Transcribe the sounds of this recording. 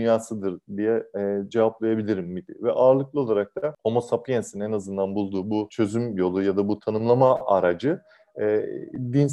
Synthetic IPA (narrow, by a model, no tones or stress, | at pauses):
ynjaːsɯd̪ɯɾd̪ijɛːd͡ʒevaplˠajabilʲiɾimːid̪ivɛʔaːɾlˠɯklˠɯo̞lˠaɾak̚t̪ʰaho̞mo̞sapʰjensinɛnazɯnd̪anbulˠd̪uːbut͡ʃʰø̞zymjo̞lˠujad̪abut̪ʰanɯmlˠamaʔaɾad͡ʒɯ | ɛːd̪in